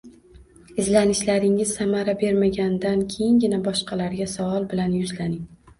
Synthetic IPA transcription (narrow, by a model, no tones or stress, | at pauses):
ɪzlanɪʃlaɾɪŋɪz̥samaɾabe̞ɾmaɡʲand̪ankʲʰejɪŋɡʲɪnabɒʃqɑlaɾɡʲasavɒlˠbɪlanjʊzlanɪŋ